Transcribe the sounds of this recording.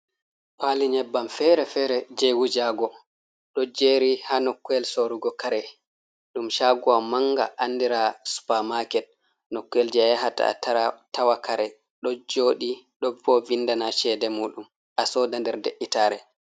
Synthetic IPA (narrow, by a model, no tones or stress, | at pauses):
paːliɲɛbːamfɛɾɛfɛɾɛd͡ʒɛwud͡ʒaɡɔ | ɗɔd͡ʒeɾihaːnɔkːuɛlsoɾuɡɔkaɾɛ | ɗumʃaːɡuamaŋɡa̰ʔandiɾasu̥pamakɛt̚ | nɔkːuɛld͡ʒɛɦata̰a̰taɾatawakʰaɾɛ | ɗɔd͡ʒoːɗiɗɔbɔvindanaʃɛdɛmuːɗum | ʔasɔːdandɛɾdeʔːitaːɾɛ